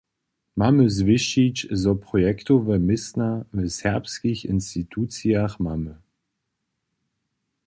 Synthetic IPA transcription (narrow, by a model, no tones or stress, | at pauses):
maməzvɪʃit͡ʃzɔpʁɔjɛkt̪ovɛmɪsnavɛsɛʁpskiçɪ̰nst̪it̪ʰut͡siaχmamə